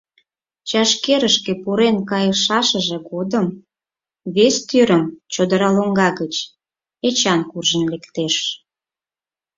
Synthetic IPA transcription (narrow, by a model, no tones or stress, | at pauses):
t͡ɕɑʃkeɾəʃkepuɾenkɑjəʃɑʃəʒeɣod̪əm | βest̪yɾəmt͡ɕod̪əɾɑloŋɡɑɣət͡ɕ | et͡ɕɑnkurʒənlekt̪eʃ